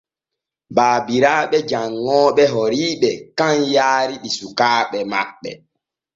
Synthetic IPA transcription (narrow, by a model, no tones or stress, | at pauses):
baːbiɾaːɓɛd͡ʒaŋːɔːɓɛɦɔɾiːɓɛkãnjaːɾiɗisukaːɓɛma̰ɓːɛ̰